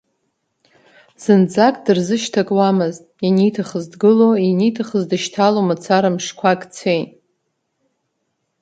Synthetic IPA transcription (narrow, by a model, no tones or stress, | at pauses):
z̥ɨnd͡zakʼdɨrzɨʃtʰakʼwamɨztʼinitʰaχəzdɡɨloinitʰaχəzdɨʃtʰalomat͡sʰaɾamʂkʷʰakʼt͡sʰejtʼ